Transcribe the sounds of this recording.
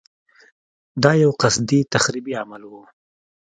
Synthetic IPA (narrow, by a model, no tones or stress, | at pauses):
d̪ɑjawqasd̪it̪axɾibiamalwu